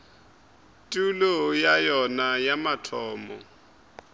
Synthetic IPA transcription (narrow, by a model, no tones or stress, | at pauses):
tʼulɔjajɔnajamatʰɔːmɔ̰